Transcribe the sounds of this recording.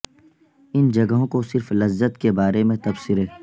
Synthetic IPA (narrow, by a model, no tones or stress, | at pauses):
ɪnd͡ʒɐɡəɦõkosɪɾflɐzːət̪kebaːɾemẽt̪ɐbsɪɾeː